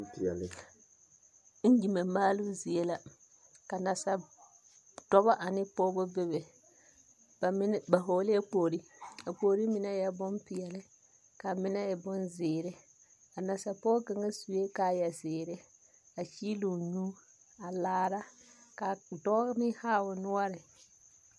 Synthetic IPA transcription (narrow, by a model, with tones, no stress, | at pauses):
pi˨ɛ˨lɪ˨ | n̩˦d͡ʒi˨ma˨maː˦lʊ˦zi˨e˦la˨ | ka˨na˨sa˨ | d̥ɔ˦ba˦ʔa˨nɪ˦poː˦bʊ˦bɪ˦βɪ˨˦ | ba˨ɦoː˨lɪ˦a˦k͡poː˨ɾi˦a˨k͡poː˨ɾi˦mɪ˨na˦ja˦bʊ˦mpɪ˨ɛ˨lɪ˦ | ka˨mɪ˦na˦ɪ˨bʊ˦nzɪː˨ɾɪ˦ | a˨na˨sa˨pɔ˦ka˨ŋa˦su˨e˦ka˨jɛ˨sɪː˨ɾɪ˦ | a˨t͡ʃi˦lu˨ɲu˦ | a˨laː˦ɾa˦ka˨dɔ˦nɪ˦haː˦˨ʊ˨nʊ˦ɔ˦ɾɪ˨